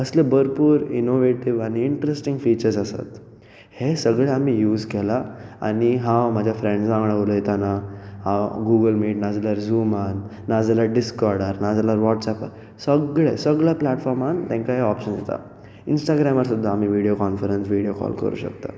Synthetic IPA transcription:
əslebəɾpuːɾinoʋeʈiʋaɽiːɳʈəɾesʈiŋɡfit͡ɕəɾsasa̰t̪ | hesəɡɭeamijuːzkɛlaa̰niɦãmad͡ʑʱjafɾẽɳɖãŋɡɭəʋləjet̪anahãɡuɡəlmiːʈnad͡zalaɾzumanː | ad͡zalaɖiskɔɾɽəɾnad͡zalaɾʋɔʈsapaɾ | səɡɭesəɡɭjaplaʈfɔɾmant̪ẽŋkaɦeɔpɕənjḛt̪a̰ | insʈaɡɾamaɾsud̪ʱːaːm̤iʋiɽijokɔnfəɾənsʋiɽjokɔ̰lkə̰ɾṵːɕə̰kt̪a̰

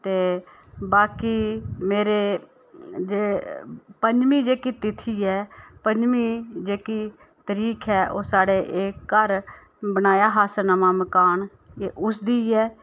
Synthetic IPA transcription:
t̪eː | baːkiːmeːɾeː | d͡ʒeːpəɲd͡ʒmĩːd͡ʒeːkiːt̪it̪ʰiːɛːpəɲd͡ʒmĩːd͡ʒeːkiː | t̪əɾiːkʰɛːʔoːsaːɽeːʔeːkːəɾ | bənaːjaːɦaːsənəmãːməkaːn | eːʔʊsd̪iːɛː

